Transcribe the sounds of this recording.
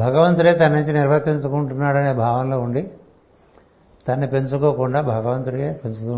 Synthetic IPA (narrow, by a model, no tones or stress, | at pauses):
bʱɐɡɐʋɐnt̪uɾeːt̪ɐnːiɲt͡ʃiniɾʋʱɐɾt̪iɲt͡ʃukuɳʈunːaːɽɐne̞ːbʱaːʋɐnlo̞ːuɳɖi | t̪ɐnːipe̞ɲt͡ʃukoːkuɳɖaːbʱɐɡɐʋɐnt̪uɾeːpeɲt͡ʃut̪u